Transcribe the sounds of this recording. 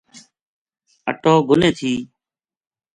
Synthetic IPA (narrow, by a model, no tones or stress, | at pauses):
ə̰ʈoːɡʊnẽːt̪ʰiː